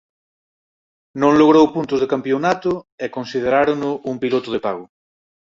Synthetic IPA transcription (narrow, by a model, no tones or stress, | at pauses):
nõŋloɣ̞ɾowpunt̪ʊzðekampjonat̪ʊekonsið̞eɾaɾonʊumpilot̪ʊð̞epaɣʊ